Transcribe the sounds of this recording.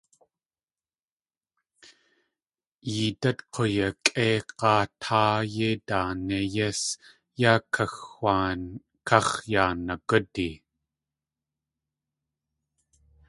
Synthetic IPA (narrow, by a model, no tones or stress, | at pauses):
iːt̪ɐt̪qʰojɐkʼeːqɑːt̪ʰaːjedaːnejɛs | jakʰɐxaː | kʰɑχjaːnakədi